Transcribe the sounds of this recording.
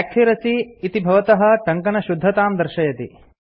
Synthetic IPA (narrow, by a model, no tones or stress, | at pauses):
aːk̚kʰiɾɐsiːt̪ibʱɐʋɐt̪ɐɦɐ̆ʈɐŋkɐnɐʃud̪ʱːɐt̪aːmd̪ɐɾʃɐjɐt̪ḭ